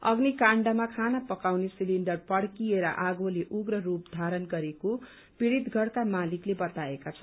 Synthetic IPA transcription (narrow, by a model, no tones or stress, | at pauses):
ʌ̰ɡnikaɳɖʌmakʰanapʌkawnesiliɳɖʌrpʌɽkieɾʌ̰ʔaɡoleʔuɡrʌrup̚d̪ʱaɾʌnɡʌɾeko | piɽid̪ɡʱʌɽk̪amaliklebʌt̪aekat͡sʰʌn